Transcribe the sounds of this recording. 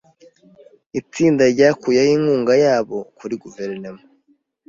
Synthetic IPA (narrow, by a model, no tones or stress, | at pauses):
it͡siːndaɾɟaːkujahiːŋhuːŋɡajaːβo̞kuɾiɡuveɾnomo